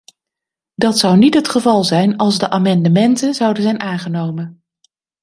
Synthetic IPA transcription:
dɑtsʌwnitɦətχəvɑlˠzɛjnɑlˠzdəʔaːmɑndəmɛntənzʌwdəzɛjnʔaːnχənowmən

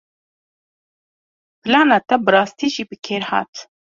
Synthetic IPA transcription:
pʰɨlɑːnɑːt̪ɛbɨrɑːst̪iːʒiːbɨkʰeːɾhɑ̰ːt̪

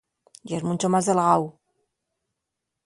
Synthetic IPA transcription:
iezmũnt͡ʃomazðelɣaw

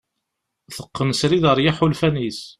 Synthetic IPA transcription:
θəqːənsɾiðəɾˤjaħulfænis

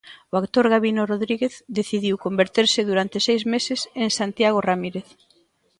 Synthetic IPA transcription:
oakt̪oɾɣaβinoroðɾiɣeθd̪eθiðiwkombeɾt̪eɾsɪðuɾant̪ɪsejzmesɪseŋsant̪jaɣ̞oramiɾeθ

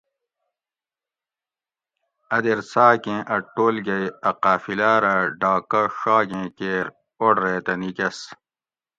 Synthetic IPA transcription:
ɐd̪eɾsaːkẽːʔɐʈːoːlɡɐjɐqaːfilaːɾɐɖaːkɐʂaːɡẽːkeːɾ | oɖɾeːt̪ɐnikɐs

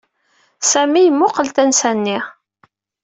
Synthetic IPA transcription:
sæmijmːʊqəlt̪ænsænːi

